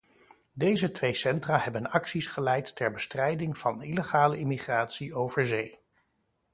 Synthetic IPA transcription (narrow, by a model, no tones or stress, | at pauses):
dejzətʋejsɛntraːɦɛbənɑksisχəlɛjtːɛɹbəstrɛjdɪŋv̥ɑniləχaːləɪmiχraːtsiowv̥əɹzej